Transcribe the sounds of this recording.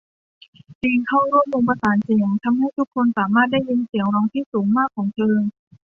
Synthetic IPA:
t͡ɕiː˧ŋkʰa˥˩wɾu˥˩əmʔoː˧ŋp̬a˧saː˩˦nt͡ɕi˧˩ŋt̪ʰa˧mha˥˩jt̪ʰu˦˥kʰːo˧nsaː˩˦maː˥˩t̪̚da˥˩ji˧nsi˨˩˦əŋɾɔː˧ŋt̪ʰiː˥˩suː˩˦ŋmaː˥˩kʰːɔː˩˦ŋt̪ʰɤː˧

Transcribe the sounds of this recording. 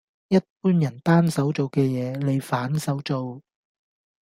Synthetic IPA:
jɐ˥t̚puː˥njɐ˨˩nt̪aː˥nsɐ˨˥wt͡so˨wkɛː˧jɛː˨˧˦le˨˧jfaː˨˥nsɐ˨˥wt͡so˨w

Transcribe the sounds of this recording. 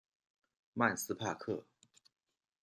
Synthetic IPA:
ma˥˧nsɹ̩˥pʰa˥˧kʰɤ̰˥˩

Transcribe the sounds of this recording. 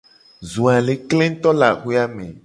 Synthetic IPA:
zu˨a˨le˨klẽ˦ŋ̩˦t̪ɔ˦la̰˨xu˦a˦mḛ̃˨

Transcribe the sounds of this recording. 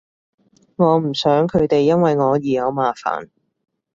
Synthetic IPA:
ŋɔː˨˧m̩˨˩sœː˨˥ŋkʰɵ˨˧ɥt̪e˨jːɐ˥nwɐ˨jŋɔː˨˧jiː˨jɐ˨˧wmaː˨fa̰ː˨˩n

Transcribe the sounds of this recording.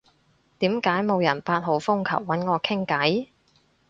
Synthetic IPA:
t̪iː˨˥mkaː˨˥jmo˨˧wjɐ˨˩npaː˧t̚ɦo˨˥wfʊ˥ŋkʰɐ̰˨˩wːɐ˨˥nŋɔː˨˧kʰɪ˥ŋkɐ˨˥j

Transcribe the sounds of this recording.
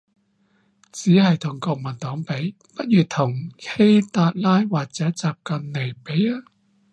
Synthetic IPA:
t͡siː˨˥hɐ˨jt̪ʰʊ˨˩ŋkɔː˧k̚mɐ˨˩nt̪ɔː˨˥ŋpe˨˥j | pɐ˥t̚jyː˨t̪ʰʊ˨˩ŋhe˥jt̪aː˧t̚laː˥jwaː˨k̚t͡sɛː˨˥t͡saː˨p̚kɐ˨nle˨˩jpe˨˥jaː˥

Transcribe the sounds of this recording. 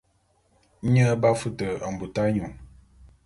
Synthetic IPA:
ɲə˦ba˦fu˦tə˨a˨m˨bu˨ta˦ɲu˨ŋ

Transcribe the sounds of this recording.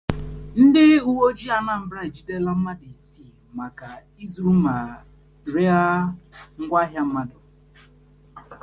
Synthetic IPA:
n̩˦dɪ˦u˦wo˦d͡ʒi˦a˨na˨m̩˦bɾa˦i˨d͡ʒi˦de˦la˦m̩˦ma˦di˨si˦˨ | ma˨ka˨ | i˦zu˦ma˨ | ɾe˦a˦ŋ̩˦ɡʷa˦ɦja˦m̩˦ma˦dʊ˨

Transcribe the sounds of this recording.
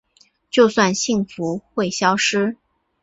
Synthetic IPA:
t͡ɕjo˥˧ʊswa˥˧nɕi˥˩ŋfu˧˥xwe˥˩ɪɕjɑ˥ʊʂɻ̩˥

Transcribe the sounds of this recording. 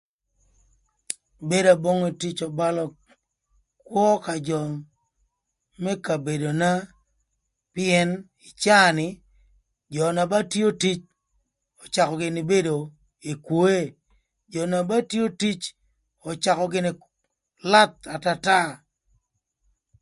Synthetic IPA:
be˦da˨bo˦ŋe˨ti˦t͡ʃɔ˨ba˦lɔ˦ | kwɔ˦ka˨d͡ʒɔ˨ | mɛ˦ka˨be˨do˨na˦ | pɪ˦ɛ˦n | ɪ˨t͡ʃa˦˨nɪ˨ | d͡ʒɔ˨na˨ba˦tjo˦ti˦t͡ʃ | ɔ˨t͡ʃa˨kɔ˨ɡɪ˨nɪ˨be˦do˨ | e˨kwo˦e˦ | d͡ʒɔ˨na˨ba˦tjo˦ti˦t͡ʃ | ɔ˨t͡ʃa˨kɔ˨ɡɪ˦nɪ˨ | la˦t̪̚a˨ta˦ta˦

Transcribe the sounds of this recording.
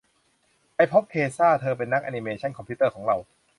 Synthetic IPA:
pa˧jpʰo˦˥p̚kʰeː˧saː˥˩t̪ʰɤː˧pe˧nːa˦˥k̚ʔa˧ni˧meː˧t͡ɕʰa˥˩nkʰɔ˧mpʰi˦˥t̪ɤː˥˩kɔː˩˦ŋɾa˧w

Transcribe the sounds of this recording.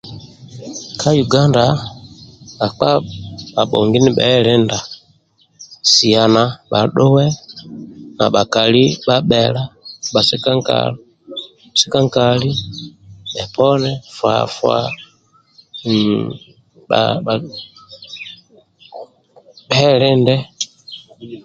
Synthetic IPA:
kʰa˦ju˨ɡa˦nda˨ | ka˨k͡pa˦ɓa˨ɓɔ̰˨ŋɡi˦ni˦ɓɛ̰˦lɛ˦nda˨ | si˨a˨na˨ɓa˨ɗʊ˦wɛ˦ | na̰˨ɓa˨ka˨li˦ɓa˦ɓɛ˨la˦ɓa˨sɛ˦ka˦ŋ˦ka̰˨lɔ˦˨ | si˦ka˦ŋ˦ka˨li˦ | ɓɛ˨pɔ˦nɛ˦fwa̰˨fwa̰˨ | a̰˨ | ɓɛ˦ɾɪ˦ndɛ˦

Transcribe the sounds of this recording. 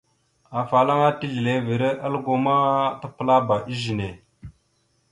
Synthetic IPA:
a˨fa˨la˦ŋa˦ti˦ɮi˨le˦vi˨ɾe˦ʔa˦lɡo˨ma˦ta˦pə˦la˦ba˨ʔi˦ʒi˨ne˨

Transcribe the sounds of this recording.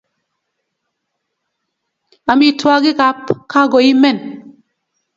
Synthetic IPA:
a˨mi˨twa˦ɡi˦ɡa˨˦pka˦ɡɔ˨i˦mɛ˦˨n

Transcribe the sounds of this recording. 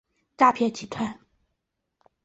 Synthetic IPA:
ʈ͡ʂa˥˧pʰjɛ˥˩t͡ɕʰi˨˩t̪ʰwa˥˩n

